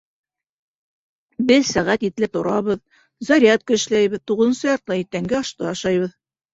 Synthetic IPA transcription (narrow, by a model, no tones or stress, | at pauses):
bɘðsæʁæt̪it̪lɘt̪ŏɾɑβɤð | zɑɾʲiɑt̪̚kɤ̆ɘ̆ʃlæjβbɘ̆ðt̪uʁɤ̆ðɤ̆nsɤjɑɾt̪lˠɑit̪ːæŋɡæɑʃt̪ɤɑʃɑjβɤð